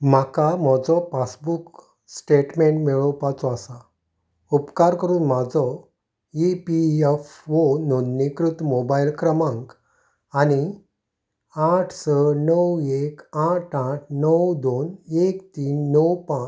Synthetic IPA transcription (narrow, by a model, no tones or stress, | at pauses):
m̤akamɔd͡zɔpasbuk | sʈeʈmeɳʈmeɭɔwpat͡sɔasa | upkaɾkəɾuːnm̤ad͡zɔ | ipiefʋononːikɾut̪mobajlkɾəmãŋk | ani | aʈʰsənəwekaʈʰãʈʰnəwd̪onekt̪iːnːəwpã